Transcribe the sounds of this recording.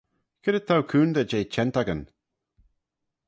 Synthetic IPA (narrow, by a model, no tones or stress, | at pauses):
kʰɪdət̪ʰawkʰuːnd̪ad͡ʒejt͡ʃɛnt̪aɡən